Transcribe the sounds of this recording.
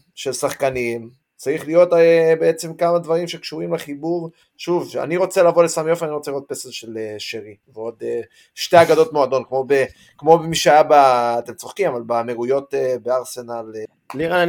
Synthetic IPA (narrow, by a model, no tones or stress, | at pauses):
ʃe̞lsaχkanim | t͡saiχlijo̞t̪beet͡se̞mkamad̪vaʁimʃe̞kʃuʁimleχibuʁ | ʃuva̰niʁo̞t͡se̞lavo̞lesamjofaniʁot͡seliʁot̪̚peselʃeleʃeʁiveo̞d̪e | ʃteaɡado̞t̪moad̪o̞nkmo̞be | kmo̞bemiʃeajabaːt̪emt͡so̞χkimavalbameʁujo̞tebeaʁse̞nal | liʁa